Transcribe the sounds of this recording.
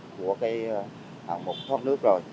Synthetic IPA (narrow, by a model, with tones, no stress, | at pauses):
ku˧˩əkaː˨˦j | haː˨˩ŋmo˨˩k͡p̚t̪ʰɔː˦˥t̚nɨ˦˥ək̚zo˨˩j